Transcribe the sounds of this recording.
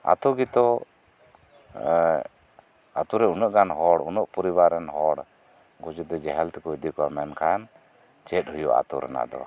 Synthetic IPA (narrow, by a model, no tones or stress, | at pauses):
a̰t̪uɡit̪ɔ | a̰t̪uɾɛunɔʔɡanɦɔɽunɔʔpɔɾiβaɾɛnɦɔɽ | ɡɔd͡ʒud̪ɛd͡ʒɛɦɛlt̪ɛkɔid̪ikɔamɛnkʰajan | t͡ʃɛt̪̚hujuʔa̰t̪uɾɛ̰na̰d̪ɔ̰